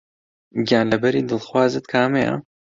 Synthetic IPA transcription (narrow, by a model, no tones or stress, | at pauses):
ɡjaːnlɐbɐɾiːd̪ɨlxwaːzɨt̪kʰaːmeja̰